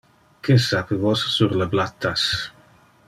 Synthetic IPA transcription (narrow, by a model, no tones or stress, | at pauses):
kesapevɔsːuɾlablat̪ʰːas